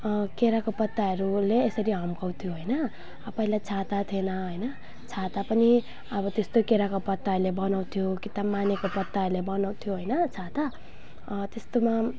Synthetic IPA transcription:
keɾakopʌt̪ːaɦʌɾuleːsʌɾiɦʌmkʌw̃t̪ʰjoɦʌjnʌ | ʌpaĩlajt͡sʰat̪at̪ʰenʌɦʌjnʌ | t͡sʰat̪apʌni | ʌbʌt̪est̪okeɾakopʌt̪ːalebʌnaw̃t̪ʰjokit̪amanekopʌt̪ːaʌrlebʌnaw̃t̪ʰjoɦʌjnʌt͡sʰat̪a | t̪est̪oma

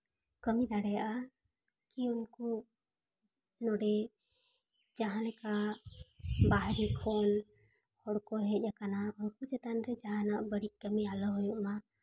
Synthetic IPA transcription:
kəmid̪aɽɛjaʔa | kiunkɔ | nɔɖɛ | d͡ʒaɦãnɛka | baɦɾikʰɔn | hɔɽkɔɾɛˀd͡ʒakanaɦɔɽkɔd͡ʒɛt̪anɾɛd͡ʒaɦãnaʔbəɽit̚kəmialɔɦɔjuʔma

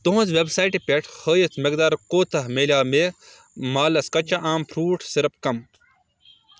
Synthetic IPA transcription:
t̪oɦũnzʋebsaːjʈipʲeʈʰhəːjɐt͡smek̚d̪aːɾkoːt̪ʰɐɦmeːlʲjaːmeː | maːlɐskɐt͡ʃɐʔaːmpʰɾuːʈsiɾpkɐm

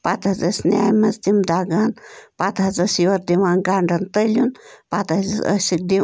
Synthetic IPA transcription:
pat̪ɦɐzɐsnja̰ːjmɐzd̪imd̪aːɡanpat̪ɦɐzɐsiwɐɾd̪imaːnɡaɳɖɐnt̪əjljunpat̪ɐzə̰sik̚d̪i

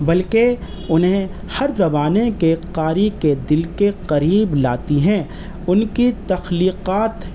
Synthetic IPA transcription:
bɐlke | ʊnɦẽ | hɐɾzɐbaːnekeqaːɾiked̪ɪlkeqɐɾiːbla̰ːt̪iɦɛ̃ː | ʊnkit̪ɐxliːqaːt̪

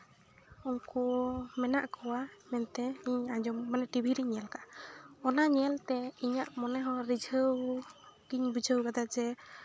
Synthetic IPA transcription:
umkumɛnaʔkɔwamɛnt̪ɛiɲad͡ʒɔmːanɛʈibʱiɾiɲɛlkaɔnaɲɛlt̪ɛiɲaʔmɔnɛɦɔɾid͡ʒʱəwɡiɲbud͡ʒʱəwɡad̪ad͡ʒɛ

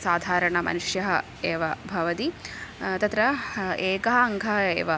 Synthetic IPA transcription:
saːd̪ʱaːɾɐɳɐmʔɐ̰nuʂjɐɦɐ̰ | eːʋɐbʱɐʋɐt̪it̪ɐt̪ɾɐeːkɐɦɐɐŋɡʱɐɦɐḛːʋɐ

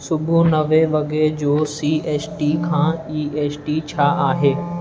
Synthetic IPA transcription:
sʊbʱunɐʋeʋɐɡeɾd͡ʑoːsiːeːsʈikʰãːiːeːsʈit͡ɕʰaʔaːɦeː

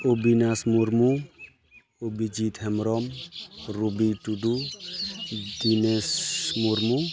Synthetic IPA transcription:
obinasmuɾmu | obid͡ʒit̪hɛmɾɔmɾubitud̪u | d̪inesmuɾmu

